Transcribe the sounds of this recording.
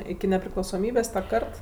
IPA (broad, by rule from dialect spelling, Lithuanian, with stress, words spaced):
ɪkʲɪ nʲɛpʲrʲɪklˠɐʊsoːˈmʲiːbʲeːs tɐ ˈkɐrt